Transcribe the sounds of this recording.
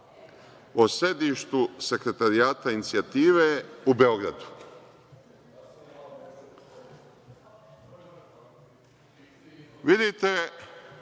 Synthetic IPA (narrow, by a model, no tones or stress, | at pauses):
ose̞d̪iʃt̪use̞kɾe̞t̪aɾiaːt̪ainit̪siat̪iːʋeube̞o̞ɡɾad̪u̥ | ʋid̪it̪e